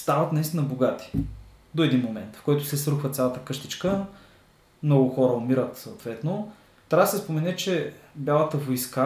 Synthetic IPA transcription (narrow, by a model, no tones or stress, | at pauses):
st̪avɐt̪nɐist̪inəboɡat̪i̥ | d̪oɛd̪inmomɛnt̪fkɔjt̪ʊsɛsɾuxvət̪sʲalˠɐt̪əkɤʃt̪it͡ʃkə | mnɔɡʊxɔɾəomiɾət̪sɐːt̪vɛt̪no | t̪ɾasɛspomɛnɛt͡ʃɛbʲjalˠət̪əvojska